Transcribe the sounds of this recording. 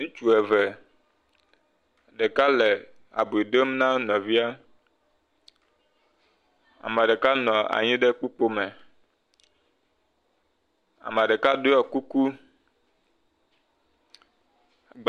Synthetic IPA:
nũ˦t͡ʃu˨ɛ˨vɛ˨ | ɖe˨ka˦le˨ | a̰˨bi˨ɖe˦m˦nã˦nɔ̃˨vi˦a˦ | a̰˨ma˨ɖe˨ka˦nɔ̃˨a̰˨ɲĩ˦ɖe˦ku˦k͡po˦mɛ˨ | a̰˨ma˨ɖe˨ka˦do˦ɔ˨ku˦ku˦ | ɡ͡b

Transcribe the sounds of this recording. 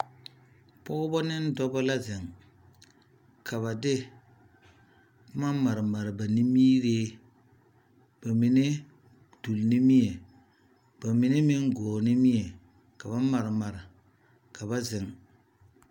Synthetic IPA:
pɔ˦ɡʊ˦bɔ˦nɪ˦n˦dɔ˦bɔ˦la˦zɪ˨ŋ | kʰa˨βa˨dɪ˦ | bma˦ma˨ɾɪ˨ma˨ɾɪ˨ba˨ni˦miː˦ɾeː˦ | b̥a˨mi˨ne˦ | du˨lni˦mi˦e˨ | b̥a˨mi˨ne˦mɪ˦ŋɡɔː˨nɪ˦mi˦e˨ | ka˨ba˦ma˨ɾɪ˨ma˨ɾɪ˨ | ka˨ba˦zɪ˨ŋ

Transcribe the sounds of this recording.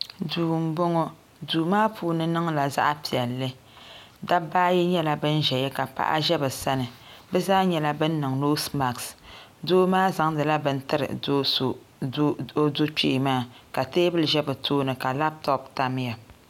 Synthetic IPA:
duː˨m˨˦bɔ˦ŋɔ˦ | duː˨maː˦puː˦nɨ˦nɨ˦ŋla˨za̰˦ʔa˦pi˨ɛ˨lːɨ˦ | da˦baː˦jɛ˦ɲɛ˦la˦bɨ˦n˦ʒɛ˨jɛ˦ka˨pa̰˦ʔa̰˦ʒɛ˦bɛ˨sa˦nɨ˨bɛ˦zaː˦ɲɛ˦la˦bɨ˦nː˦ɨ˨ŋno˦sma˨ksdoː˦maː˦za˨ŋdɨ˨la˦bɨ˦n̩˦tɨ˦ɾɨ̰˨˦˨ | do˦t͡ʃi˦ʔmaː˦˨ka˨teː˦bɨ˦lɨ˨ʒɛ˦bɛ˨tʰoː˦nɨ˨ka˨la˦p̚tɔ˦p̚ta˦m˦ja˨

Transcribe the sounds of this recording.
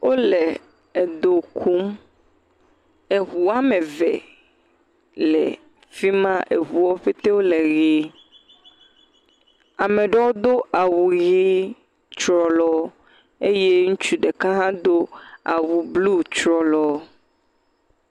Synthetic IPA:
wʔo˦le˨ | e˨d̪o˨kʰu˦m | e˨ɦu˨a˦mẽ˨vɛ̰˨ | lɛ̰˨ | fi˦mã˦ʔe˨ɦu˨wɔ˦ɸe˦t̪e˦wo˦le˨ɣi˦ | a˨me˨ɖɔ˦wo˦d̪o˦ʔa˨wu˨ɣi˦ | t͡ʃɾɔ˨lɔ˦ | e˦je˦ŋũ˦t͡ʃu˦ɖe˨ka˦ɦã˦d̪o˦a̰˨wu˨blu˦t͡ʃɾɔ˨lɔ˨

